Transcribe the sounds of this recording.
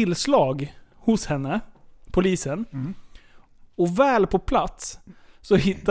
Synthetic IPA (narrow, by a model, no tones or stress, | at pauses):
ɪlslɑːɡhʊshɛnːəpʰʊliːsən | ɔvɛːlpʰɔpʰlat̪sːɔhɪt̪ː